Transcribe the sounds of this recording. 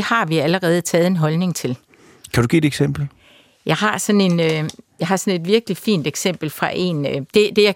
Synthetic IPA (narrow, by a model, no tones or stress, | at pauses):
ehɑ̈ʋiæləʁɛːð̞̩ˠt͡sʰɛːð̞̩ˠe̝nɦɒ̽lne̝ŋt͡sʰe̝l | kʰæd̥uɡ̥ḭːdeɡ̥sem̰b̥l̩ | jɑ̈ɪɦɑ̈sɒ̽ne̝nøjɑ̈ɪɦɑ̈sɒ̽ne̝d̥ʋiɐɡ̥əlifḭːnd̥eɡ̥sem̰b̥l̩fʁɑ̈ʔe̝̰ːnd̥e̝d̥e̝jɑ